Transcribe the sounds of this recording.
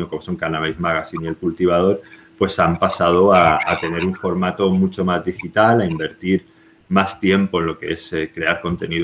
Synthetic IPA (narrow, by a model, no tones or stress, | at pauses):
oko̞moso̞ŋkanaβejzmaɣ̞asinie̞lkult̪iβ̞að̞o̞ɾpwe̞sampasað̞o̞aat̪e̞ne̞ɾuɱfo̞ɾmat̪o̞mut͡ʃo̞mazðixit̪alaimbe̞ɾt̪iɾ | mast̪je̞mpo̞e̞nlo̞ke̞e̞sekɾe̞aɾko̞nt̪e̞nið